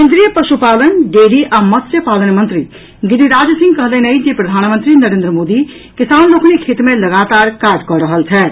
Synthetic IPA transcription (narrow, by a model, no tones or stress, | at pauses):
kend̪ɾijəpɾəʃupalənɖeɽiʔamʌt̪sjepalənmənt̪ɾi | ɡid̪iɾad͡zsĩŋɡkʌɦd̪əjnɐjd͡ʒepɾɐd̪ʱaːnmənt̪ɾinəɾend̪ɾəmod̪i | kisaːnlokʰnekʰet̪melɐɡat̪aɾkakɔɾəɦəlt͡sʰɛ